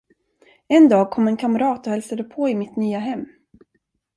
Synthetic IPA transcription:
ɛnd̪ɑːɡ̚kʰɔmːɛnkʰamɾɑːt̪ɔhɛlsad̪əpʰɔɪmɪt̪nyːaɦɛmː

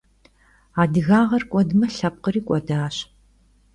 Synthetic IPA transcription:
aːdɨɣaːʁɐrkʷʼɔdmɐɬɐp̚qəriːkʷʼɔdaːɕ

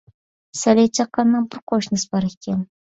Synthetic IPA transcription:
sælʲet͡ʃʰɑqːɑnːɑnbɪɾqʰoʃnɨsbɑɾekʲen

